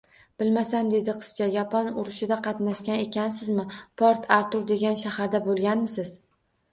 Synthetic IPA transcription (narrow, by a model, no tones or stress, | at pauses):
b̥ɪlmasamd̪e̞d̪ɪqʰɨ̥st͡ʃajɒpʰɒnʊɾɪʃɪd̪aqʰɑt̪naʃkʲane̞kʲʰansɪzmɪpʰɒɾt̪ʰaɾt̪ʊɾd̪e̞ɡʲanʃahaɾd̪abolˠɡʲanmɪsɪz